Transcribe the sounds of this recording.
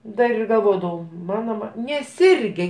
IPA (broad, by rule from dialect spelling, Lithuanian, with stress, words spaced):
ˈdɐr ɪr ɡɐlˠˈʋoːdɐʋɐʊ ˈmɑːnoː ʋɐ nʲɛˈsʲɪrʲɡʲɛ